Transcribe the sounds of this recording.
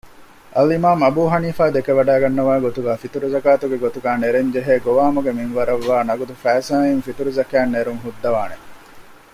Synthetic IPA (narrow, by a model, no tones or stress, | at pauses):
ʔɐlimaːmɐbuːɦɐniːfaːd̪ekeʋɐɖaːɡɐnːɐʋaːɡot̪uɡaːfit̪uɾuzɐkaːt̪uɡeɡot̪uɡaːneɾeɲd͡ʒeɦeːɡoʋaːmuɡeminʋɐɾɐʋːaːnɐɡud̪ufæːsãːjinfit̪uɾuzɐkæːnːeɾuŋɦud̪ːɐʋaːne